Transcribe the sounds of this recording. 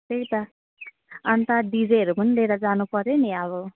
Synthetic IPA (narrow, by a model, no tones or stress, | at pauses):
t̪ekt̪a | ant̪aɖid͡zeɾumʌnleɾad͡zanupʌɾeniaβo